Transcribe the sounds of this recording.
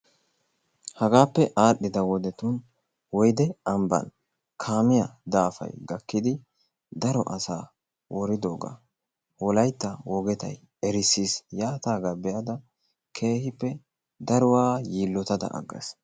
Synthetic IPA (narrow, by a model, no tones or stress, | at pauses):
hɐɡaːpːɛʔaːɗɪd̪ɐwɔd̪ɛt̪un | wɔjd̪ɛɐmbɐ̰n | kʰaːmɪjɐd̪aːfɐ̰jɡɐkːɪd̪ɪ | d̪ɐɾɔʔɐsaː | wɔɾɪd̪oːɡa̰ | wɔlɐjt̪ːɐwɔɡɛt̪ɐ̰j | ɛɾɪsiːsjaːt̪aːɡɐbɛjɐd̪ɐ | kʰe̞ːhɪpːɛ | d̪ɐɾʊwaːjiːlːɔt̪ɐd̪ɐ̰ʔɐ̰ɡːɐ̰s